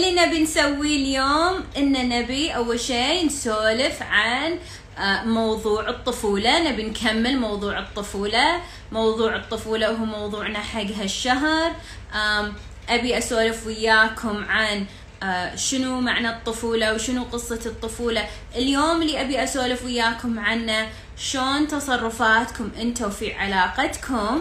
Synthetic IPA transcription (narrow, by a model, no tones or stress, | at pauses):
linabinsawːiljoːmʔɪnːanabiʔawːalʃeːnsoːlɪfʕan | mɑwðˤuːʕɨt̪ˤːʊfuːlanabinkʰamːɪlmɑwðˤuːʕɨt̪ˤːʊfuːla | mɑwðˤuːʕɨt̪ˤːʊfuːlaʔɦuːmowðˤuːʕnaħaɡɦaʃːaɦɾˤ | ʔa | ʔabiʔasoːlɪfwɪjːaːkʰʊmʕan | ʃɪnumaʕnat̪ˤːʊfuːlawʃɪnuqɨsˤːɑɨt̪ˤːʊfuːla | ʔɪljoːmliʔabiʔasoːlɪfwɪjːaːkʊmʕanːa | ʃoːnt̪ɑsˤɑrˤːʊfaːt̪kʊmʔɪnt̪afiʕalɑːqɑt̪kʰʊm